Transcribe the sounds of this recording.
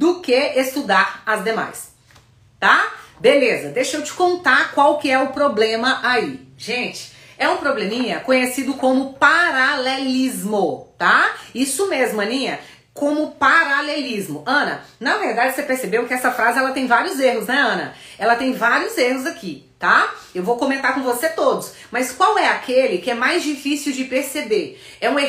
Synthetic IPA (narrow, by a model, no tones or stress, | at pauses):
d̪ʊkeest̪ud̪aɾɐzd̪ema̰js | t̪abelezɐd̪ejʃewt͡ʃɪ̥kõnt̪aɾkwawkɪɛʊpɾoblẽmɐʔaiʒẽt͡ʃɪ̥ | ɛũpɾoblẽmĩɲɐkõɲesid̪ʊkõmʊpaɾalelizmʊt̪aisʊmezmʊɐ̃nĩɲɐ | kõmʊpaɾalelizmʊʔɐ̃nɐ̰nɐveɾd̪ad͡ʒɪsepeɾsebewkɪɛsɐfɾazɪɛlɐt̪ẽj̃vaɾiʊzeɦʊznɛɐ̃nɐ̰ɛlɐt̪ẽj̃vaɾiʊzehʊzakit̪aewvowkõmẽnt̪aɾkõvoset̪od̪ʊs | mɐskwawɛakelɪkɪɛmajzd͡ʒifisiwd͡ʒɪpeɾsebeɾ | ɛũe